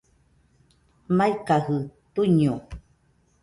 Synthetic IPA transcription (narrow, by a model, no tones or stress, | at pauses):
majkahɨt̪uɲu